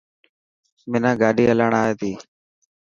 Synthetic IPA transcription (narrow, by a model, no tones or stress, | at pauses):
mɪnãːɡaːɗiːəlaːɳaːeːt̪iː